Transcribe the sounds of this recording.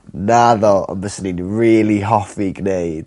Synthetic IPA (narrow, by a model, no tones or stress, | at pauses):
naðɔɔ̰nbəsəninriːlˠiɦɔfiɡnejd̥